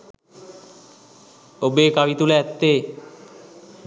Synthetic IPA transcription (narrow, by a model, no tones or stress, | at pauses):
obekawit̪uleɛt̪ːe